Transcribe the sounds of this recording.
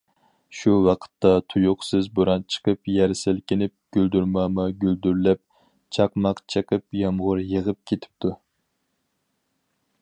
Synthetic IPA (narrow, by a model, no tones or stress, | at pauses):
ʃuwɑqʰə̥t̪ːɑt̪ʰujʊqsɪzbuɾɑnt͡ʃʰə̥qʰəpjɛɾsɪlkʲɪnɪp̚ɡ̥ʲøld̪yɾmɑmɑɡʲyld̪yɾlɛp̚ | t͡ʃʰɑqmɑqt͡ʃʰəqʰəpjɑmʁʊɾjəʁəp̚kʲʰet̪ʰɪ̥p̚t̪ʰu